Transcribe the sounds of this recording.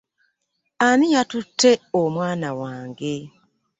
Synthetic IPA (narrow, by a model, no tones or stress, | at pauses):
anijatutʰːe̞omwaːnawaːŋɡe̞